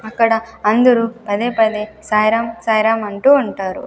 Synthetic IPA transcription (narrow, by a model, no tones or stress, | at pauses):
ɐkːɐɽɐɐnd̪uɾupɐd̪eːpɐd̪eːsaːjɾaːmsaːjɾaːmɐɳʈuɐɳʈaːɾṵ